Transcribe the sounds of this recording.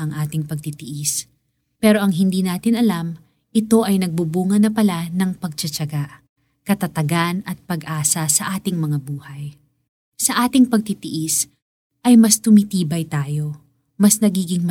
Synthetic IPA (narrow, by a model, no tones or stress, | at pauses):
ʔɐŋʔaːt̪ɪŋpɐɡ̚t̪it̪ɪʔɪs | pɛːɾo̞ʔɐŋɦɪnd̪iːnaːt̪ɪnɐlam | ʔɪt̪o̞ʔɐjnɐɡ̚bubuːŋɐnɐpɐlanɐŋpɐɡ̚t͡ʃɐt͡ʃɐɡaʔ | kɐt̪ɐt̪ɐɡanɐt̪̚pɐɡʔaːsɐsɐʔaːt̪ɪŋmɐŋabuːhɐj | sɐʔaːt̪ɪŋpɐɡ̚t̪it̪ɪʔɪs | ʔɐjmɐst̪ʊmɪt̪iːbɐjt̪aːjo̞ | mɐsnɐɡiːɡɪŋm